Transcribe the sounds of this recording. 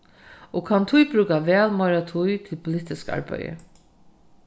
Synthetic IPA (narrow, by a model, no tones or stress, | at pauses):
ɔɡkʰant̪ʰujbɾʉːkaʋɛːlmajɾat̪ʰujt̪ʰɪlpʰʊlɪt̪ɪska̰ɹpa̰jə̰